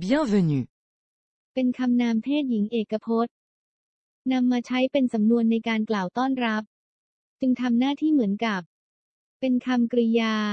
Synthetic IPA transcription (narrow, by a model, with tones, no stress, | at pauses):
bi˦ɛ˥˩ve˧nu˨˩ | pe˧nkʰa˧mnaː˧mt̪ʰeː˥˩t̪̚ji˩˦ŋʔeː˨˩kːa˧pʰo˦˥t̪̚ | na˧mːaː˧t͡ɕʰa˦˥jpe˧nsa˩˦mnu˧ənːa˧jkaː˧nklaː˨˩wt̪ɔː˥˩nɾa˦˥p̚ | t͡ɕɯ˧ŋt̪ʰa˧mnaː˥˩t̪ʰiː˥˩mɯ˩˦ənka˨˩p̚ | pe˧nkʰa˧mkɾi˧jaː˧